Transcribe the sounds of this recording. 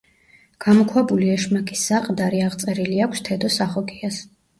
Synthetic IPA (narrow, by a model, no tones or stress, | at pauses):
ɡ̥amɔkʰwabuliɛʃmakʼisːaqʼd̪aɾiaʁt̪sʼɛɾiliakʷʰst̪ʰɛd̪ɔsaχɔɡias